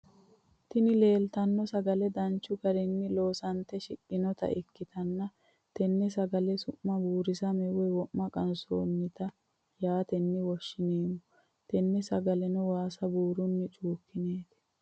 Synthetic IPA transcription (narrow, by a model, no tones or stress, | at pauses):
t̪ɪnɪle̞ːlt̪ɐnːɔsɐɡɐlɛd̪ɐnt͡ʃːʊɡɐɾɛnːɪlo̞ːsɐnt̪ːɛʃɪkʼːɪnɔt̪ɐ̰ʔɪkːɪt̪ɐnːɐ | t̪ɛnːɛsɐɡɐlɛsʊʔːɐbuːɾɪsɐmɛwɛwɔʔmɐkʼɐnso̰ːnːɪt̪ɐ | jaːt̪ɛnːɪwɔʃːɪneːmʊ | t̪ɛnːɛsɐɡɐlɛnɔwaːsɐbuːɾʊnːɪt͡ʃʼuːkːɪneːt̪ɛ̥